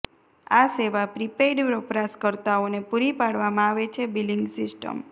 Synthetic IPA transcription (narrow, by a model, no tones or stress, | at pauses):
aseʋapɾipeɖpɾɔpɾaskəɾt̪aonepuɾipaɽʋamãaʋet͡ʃʰebiliŋɡsisʈə̰m